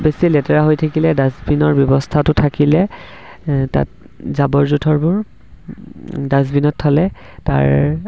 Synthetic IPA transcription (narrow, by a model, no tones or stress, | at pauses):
besilɛtɛɹaɦojtʰakilɛdazbinɔɹbjɔbɔstʰatʊtʰakilɛ | ta̰t̚ | zabɔɹzutʰɔɹbʊɹ | dazbinɔtʰːɔlɛ | ta̰ɹ